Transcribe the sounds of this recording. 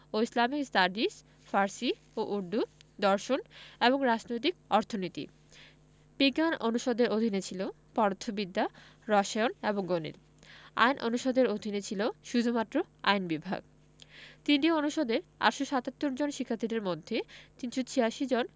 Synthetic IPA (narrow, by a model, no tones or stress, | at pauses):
oislamikstaɖis | faɾsi | oʔuɾd̪ud̪ɔɾʃoneboŋɾad͡ʑnojt̪̬ikɔɾt̪ʰonit̪ḭ | piɡanonuʃod̪eɾod̪ʱinet͡ɕʰilo | pɔɾot̪ʰːobid̪ːaɾɔʃaoneboŋɡonḭl | a̰jnʔonuʃod̪eɾod̪ʱinet͡ɕʰiloʃud͡ʑʱumat̪ːɾo | a̰jnbibʱa̰ɡ̚ | t̪inʈionuʃod̪eɾa̰ʈʃoʃat̪at̪ːoɾd͡ʑonʃikʰːat̪ʰːid̪eɾmod̪ʱːet̪inʃot͡ɕʰiaʃid͡ʑon